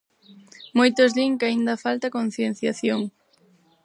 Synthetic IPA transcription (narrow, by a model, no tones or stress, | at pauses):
mojt̪ozðiŋkaind̪ɐfalt̪akon̟θjen̟θjaθjoŋ